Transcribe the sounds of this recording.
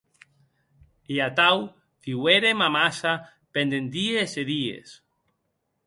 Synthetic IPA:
eat̪aw | d̪̥iweɾemamasa | pend̪end̪ieseðiḛs

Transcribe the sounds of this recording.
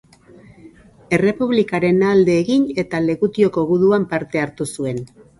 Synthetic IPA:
e̞re̞puβ̞likaɾe̞nald̪e̞ːɣiɲe̞t̪ale̞ɣut̪io̞ko̞ɣuðuampaɾt̪e̞aɾt̪usue̞n

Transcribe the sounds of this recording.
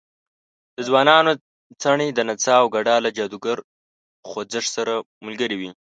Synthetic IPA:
d̪̥əzwɑnɑno | t͡saɳid̪ənat͡sɑːwɡaɖɑlad͡ʒɑd̪uɡaɾ | xod͡zɪʂsaɾa | mʊlɡəɾiwi

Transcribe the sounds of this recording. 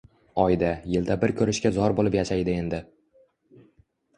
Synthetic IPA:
ɒjd̪ajɪld̪abɪɾkʰʲɵɾɪʃkʲazɒɾbolˠɪpjaʃajd̪ɪe̞nd̪ɪ

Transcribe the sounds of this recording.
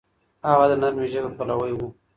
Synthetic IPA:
haɣad̪ənaɾmiʒakəpalawəjwu

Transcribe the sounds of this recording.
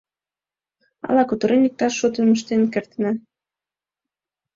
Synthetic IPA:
ɑ̰lɑkut̪əɾenik̚t̪ɑʃːot̪əmə̆ʃt̪enkert̪næ

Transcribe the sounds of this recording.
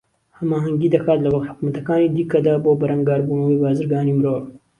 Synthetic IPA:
hɐmaːɦɐŋɡiːd̪ɐkʰaːt̪lɐwɐkt̪ħʊ̥kmɐt̪ɐkaːnid̪iːkɐd̪aboːbɐɾɐŋɡaːɾbunɐwiːbaːzɨɾɡaːniːmɨɾoːɾ

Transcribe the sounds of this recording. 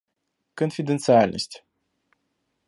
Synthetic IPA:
kɨ̃nt̪fʲid̪ent̪saalnə̰sʲt̪ʲ

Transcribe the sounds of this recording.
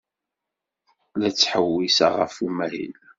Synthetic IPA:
læt͡sːħəwːisaʁə̰fumæɾḭl

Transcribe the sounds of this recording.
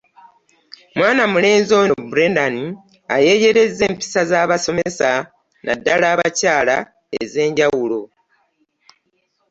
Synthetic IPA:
mwaːnamule̞ːnzo̞nbuɾendani | aje̞je̞ɾe̞zːe̞ːmpi̥sazaːβaso̞mesa | nʔa̰dːalaːβacaːla | ḛze̞ːɲɟawulo̞

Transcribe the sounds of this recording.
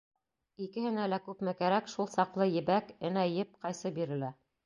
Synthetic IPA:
ikɘ̆hɘ̆nælækʉpmɘkæɾækʃulˠsɑqlˠɤjɘ̆bækɘ̆næjɘp̚qɑjsɤbiɾɘ̆læ

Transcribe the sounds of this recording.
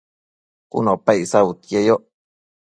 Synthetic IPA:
kṵnopaisawut̪jejoʔ

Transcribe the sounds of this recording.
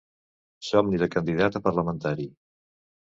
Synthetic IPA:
sɔmniðəkənd̪iðat̪əpəɾləmənt̪aɾi

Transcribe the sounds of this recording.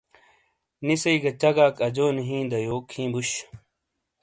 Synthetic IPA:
nisɐiɡɐt͡ɕɐɡaːkɐd͡ʑoːnɦĩːd̪ɐjoːkʰĩːbuɕ

